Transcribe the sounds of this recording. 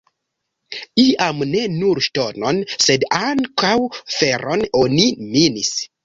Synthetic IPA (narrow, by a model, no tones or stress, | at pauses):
iamne̞nuɾʃtononsedaŋkawfeɾononiminis